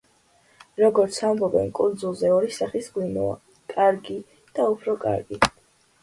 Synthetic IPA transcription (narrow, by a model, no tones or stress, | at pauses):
ɾɔɡɔɾt̪sʰambɔbɛnkʼund̪zulˠzɛɔɾisaχisɡwinɔ̰a̰ | kʼaɾɡi | d̪̥aupʰɾɔkʼa̰ɾɡi